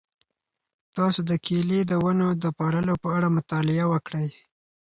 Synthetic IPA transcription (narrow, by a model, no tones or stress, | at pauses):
t̪ɑsod̪əkʰelid̪əwanod̪əpɑɾəlopəaɽamʊt̪ɑlɪawəkɽəj